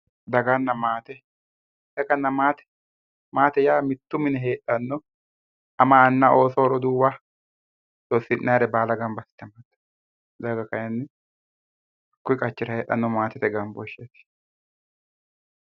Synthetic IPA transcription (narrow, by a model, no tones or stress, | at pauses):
d̪ɐɡɐnːɐmaːt̪ɛ | hɛkɐnːɐmaːt̪ɛ̥ | maːt̪ɛjaːmɪt̪ːʊmɪnɛɦe̞ːtːɐnːɔ | ɐmaːnːɐo̞ːsɔɔɾɔd̪uːba | d̪osːɪnːaːɾɛbaːlɐɡɐmbɐsɪ̥t̪ːɛmɐt̪ːɐ̥ | d̪ɐɡɐkɐjɛnːɪ | kʊɪkʼɐt͡ʃːɪɾɐhe̞ːʔɐ̰nːɔmaːt̪ɛt̪ɛɡɐmbɔʃːet̪ɪ̥